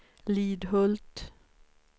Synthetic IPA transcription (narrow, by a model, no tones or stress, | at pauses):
liːd̪hɔlt̪